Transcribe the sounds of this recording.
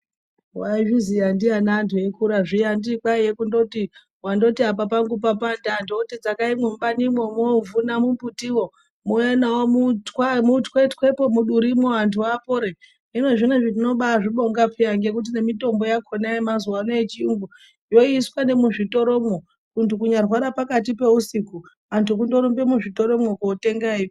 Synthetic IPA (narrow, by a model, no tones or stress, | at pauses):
waiʐizijandianantʰujekuɾaʐijandikwajekundo̞ti | wando̞tiapapaŋɡup̬apandandokutid͡zakaimwumbanimwomovunamumbutiwo̞ | muenawomutwamutkwetkwe̞pomuɗuɾimoantʰuapoɾe | ino̞ʐineʐit̬ino̞ɓaʐiɓo̞ŋɡapeaŋɡe̞k̬ut̬ine̞mito̞mbo̞jakʰonaimazuwanoet͡ʃiiŋɡu | jo̞iiswane̞muʐito̞ɾo̞mwo | kuntukuɲarwaɾapakatipe̞usiku | antʰuk̬undo̞ɾumbemuʐito̞ɾo̞mwokoːte̞ŋɡai